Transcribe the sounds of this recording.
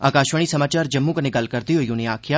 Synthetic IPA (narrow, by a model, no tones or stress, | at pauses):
aːkaːʃʋəɽ̃isɐmaːt͡ʃaːɾd͡ʒɐmːũkəneɡɐlkɐɾd̪iɦoijoneaːkʰjaː